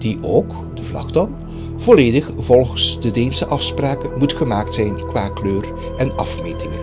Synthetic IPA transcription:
d̥iʔowk | d̥əvlɑ̰xdɑn | v̥oleːdəχv̥ɔlˠɣənsdədeːnsəʔɑfspraːkəmutχəmaːktsɛjnkʋaːkløːr | ɛnɑfmeːtɪŋə

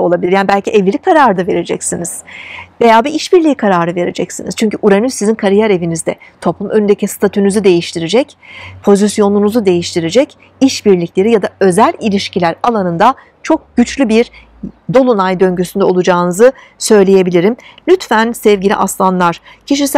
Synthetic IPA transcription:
o̞lˠabilʲiɾjaːnibælʲciʔɛvlʲilʲikʰaɾaːɾɯd̪ave̞ɾe̞d͡ʒɛ̰csiniz̥ve̞jaːbiʔiʃbiɾlʲiːkʰaɾaːɾɯve̞ɾe̞d͡ʒɛcsinḭz̥t͡ʃʰyɲcʰyʔuɾanɯsizinkʰaɾijaɾe̞vinizd̪ɛt̪ʰo̞plˠumʔønynd̪ecʰist̪ʰat̪ʰynyzud̪e̞jiʃt̪ʰiɾed͡ʒɛc | pʰo̞zisjo̞nunuzud̪e̞jiʃt̪ʰiɾed͡ʒɛc | iʃbiɾlʲicʰʲlʲe̞ɾijad̪aø̞zælʲilʲiʃcilʲæɾalˠanɯnd̪a | t͡ʃʰo̞k̚ɟ̥yt͡ʃlʲybiɾ | d̪o̞lˠunajd̪ø̞ɲɟysynd̪ɛo̞lˠud͡ʒaːɯnɯzɯ | sø̞jlʲeje̞bilʲiɾimlʲyt̪fænsɛvɟilʲḭʔaslˠanlˠaɾ̥ | cʰiʃ̬is

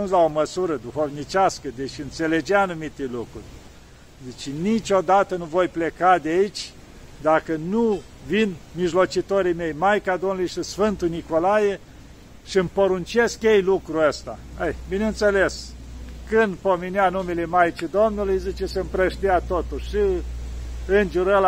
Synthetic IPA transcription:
unzlaoməsuɾəd̪uxovnit͡ʃʲaskəd̪eʃɨnt̪se̞le̞d͡ʒeaːnumit̪elukɾṵrʲ | zit͡ʃenit͡ʃʲo̞d̪at̪ənuvo̞jplekad̪eait͡ʃʲ | d̪akənu | vinmiʒlo̞t͡ʃit̪oɾime̞jmajkad̪omnulujʃisfɨnt̪ujniko̞laje | ʃiɨmpoɾunt͡ʃeskjejlukɾuəst̪a̰əjbinent̪seleskɨnd̪pomeneanumelemajt͡ʃid̪omnulujzit͡ʃesempɾəʃt̪iat̪ot̪ulʃi | ɨnʒuɾəl

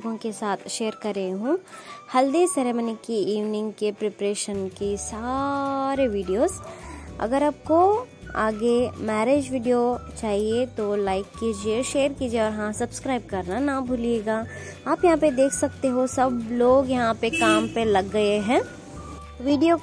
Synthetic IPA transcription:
ɡõkesaːt̪ʰʃeːəɾkɐɾeɦũːhɐld̪isɛɾeːmənɪkːiiːʋnɪ̃ŋɡkepɾepɾeːʃənkesaːɾeʋiːɖijoːzɐ̰ɡəɾaːp̚ko | a̰ːɡemɛːɾeːd͡ʒʋiːɖijot͡ʃaːɦiet̪olaːɪkːiːd͡ʒieʃeːəɾkiːd͡ʒieɔːɾɦãsɐbskɾaːɪbkɐɾnanabʱʊlieːɡaː | aːpjɐɦãped̪eːkʰsɐk̚t̪eɦosɐbloːɡjɐɦãpekaːmpelɐɡːɐeɦɛ̃ː | ʋiːɖijo

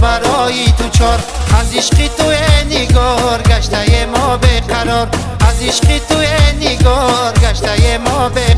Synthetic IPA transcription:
baɾɔjid̪ut͡ʃʰɔɾaziʃqit̪ueniɡɔɾɡaʃt̪aɡemɔbeqʰaɾɔɾ | aziʃqit̪ueniɡɔɾɡaʃt̪ajemɔbe

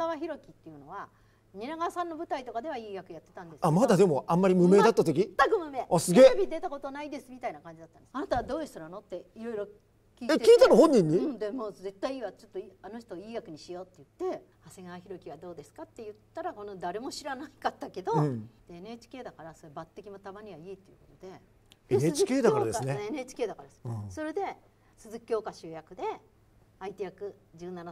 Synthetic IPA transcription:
ɡaβaçiɾo̞kʲit̪ːe̞jɯ̟no̞βa | ɲʲinaɡasãnːo̞bɯ̟t̪ait̪o̞kad̪e̞βaiːɡakɯ̟jat̪ːe̞t̪ãnd̪e̞samad̪ad̪e̞mo̞ʔãmːaɾʲimɯ̟me̞ːd̪at̪ːat̪ok̬ʲit̪ːakɯmɯ̟me̞asɨɡe̞ːbʲid̪e̞t̪ako̞t̪onaid̪e̞sɨmʲit̪ainakãɲ̟d͡ʑid̪at̪ːananat̪aβad̪o̞ːd̪est̪oɾano̞t̪ːe̞iɾo̞iɾo̞ | kʲiːekekʲiːt̪anɯɦõɲ̟ːĩɲ̟ːiɯ̃d̪e̞moːze̞t̪ːaiiːβat͡ɕo̞t̪ːo̞ano̞ç̬̥t̪o̞ːiːɡakɯ̟ɲ̟iɕijo̞ːt̪ːe̞jɯ̟t̪ːe̞ | hase̞ɡaːçiɾo̞kʲiβad̪o̞ːd̪e̞sɨ̥kat̪ːe̞jɯ̟t̪ːaɾako̞no̞d̪aɾe̞mo̞ɕiɾanaikat̪ːake̞d̪o̞d̪̥eːnɯet͡ɕi̥kʲe̞ːd̪akaɾaso̞ebat̪ːe̞kʲimo̞t̪abaɲ̟iβaiːt̪ːe̞jɯ̟̰kot̪od̪e̞ | enet͡ɕikeːd̪akaɾad̪esneenet͡ɕi̥kʲe̞ːd̪akaɾad̪eso̞ɾe̞d̪e̞ | sɨzɨkʲjo̞ːkaɕɨːjakɯ̟d̪e̞ | ait̪ejakɯ̟ | d͡ʑɨːnana

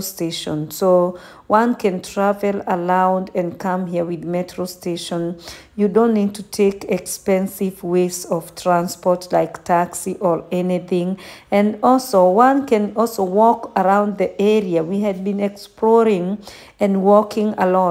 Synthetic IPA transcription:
steʃɔ̃nso | wãnkʰɨ̃ntʰɹ̥avɛlˠəlãʊ̃ndɨ̃nkʰʌ̃mɦiəwɪðmɛtʰɹosteʃɔ̃n | judõnːid̚tʰutʰekɛkspɛ̃nsɪvwesɔv̥tʰɹãnspɔtʰlaɪktʰaksiʔə˞ɛniθɪ̃ŋɨ̃nɔlˠsowãnkɨ̃nɔlˠsowɔkəɹãʊ̃ndðiʔɛɹiawiɨd̚bĩnɛksplɔɹɪ̃ŋ | ɨ̃nwɔkɪ̃ŋəlɔ

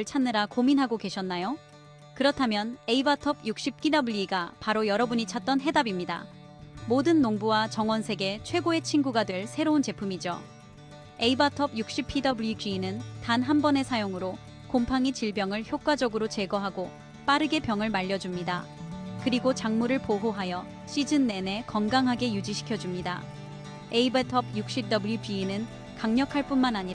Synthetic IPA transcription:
ɭt͡ɕʰanːɯɾakominɦaɡoke̞ɕʰʌnːajo | kɯɾʌtʰamjʌne̞ibatʰʌbjuk̚ɕ͈ip̚k͈idʌbuʎiɡapaɾojʌɾʌbuɲit͡ɕʰat̚t͈ʌnɦe̞dabimɲida̰ | modɯnːoŋbuwat͡ɕʌŋwʌnsʰe̞ɡe̞t͡ɕʰwe̞ɡoe̞t͡ɕʰinɡuɡadwe̞ɭsʰe̞ɾount͡ɕe̞pʰumid͡ʑo | e̞ibatʰʌb̚juk̚ɕ͈ipʰːidʌbuɭid͡ʑɥiːnɯntanɦambʌne̞sʰajoŋɯɾo | kompʰaŋit͡ɕiɭbjʌŋɯɭçjok͈̚wad͡ʑʌɡɯɾot͡ɕe̞ɡʌɦaɡo | p͈aɾɯɡe̞pjʌŋɯɭmaʎːʌd͡ʑumɲidakɯɾiɡot͡ɕaŋmuɾɯɭpoɦoɦajʌ | ɕ͈ʰid͡ʑɯnːe̞ne̞kʌnɡaŋɦaɡe̞jud͡ʑiɕʰi̥kʰjʌd͡ʑumɲida̰ | e̞ibetʰʌb̚juk̚ɕ͈ip̚t͈ʌbuɭjupɥiːnɯn | kaŋɲʌkʰaɭp͈unmanaɲiɾa

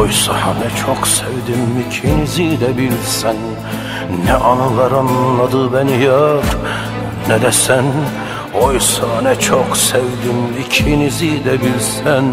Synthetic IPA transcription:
ojsɑhɑnɛt͡ʃʰoqsevd̪imːicʰinizid̪æbilsænː | ɛʔɑnɯlˠɑɾɑnlˠɑd̪ɯbænijɑɾ | nɛd̪ɛsæn | ojsɑnɛt͡ʃʰoχsevd̪imːicʰinizid̪æbilsæn

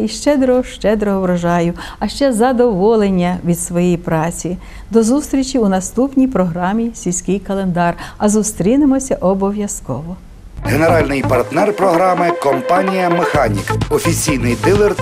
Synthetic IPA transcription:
iʃt͡ʃɛd̪ɾɔʃt͡ʃɛd̪ɾɔɦɔʋɾɔʒɑjʊ | ɐʃt͡ʃɛzɐd̪ɔʋɔlˠenʲːɐʋʲid̪sʋɔjijpɾɑt͡sʲi | d̪ɔzust̪ɾʲit͡ʃʲiʊnɐst̪upnʲijpɾɔɦɾɑmʲisʲilʲsʲkɪjkɐlˠe̞nd̪ɑrɐzust̪ɾʲinɪmɔsʲɐʔɔbɔʋʲjɐskɔʋɔ | ɦeneɾɑlʲnɪjpɐrt̪nɛrpɾɔɦɾɑmɪkɔmpɑnʲijɐmexanʲḭkɔfʲit͡sʲijnɪjd̪ɪlˠer

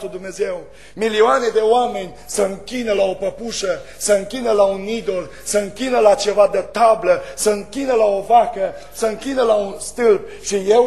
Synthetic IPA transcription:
ud̪umne̞ze̞w | milioaned̪e̞oame̞nʲ | səɨŋkʲinəlao̞pəpuʃə | səɨŋkʲinəlaunid̪o̞l | səɨŋkʲinəlat͡ʃe̞vad̪ət̪abləsəɨŋkʲinəlaovakə | səɨŋkʲinəlaunst̪ɨlb̚ | ʃije̞

